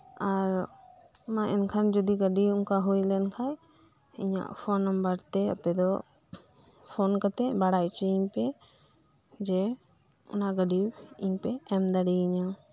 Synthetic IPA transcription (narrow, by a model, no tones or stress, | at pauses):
aɾ | mãʔɛnkʰand͡ʒud̪iɡəɖiʊŋkaɦujlɛnkʰaj | ḭɲa̰ʔpʰɔnːɔmbəɾt̪ɛə̰pɛd̪ɔ | pʰonkat̪ɛbaɽajt͡ʃiiɲpɛ | d͡ʒɛ | ɔ̰naɡəɖi | iɲpɛɛmd̪aɽiiɲa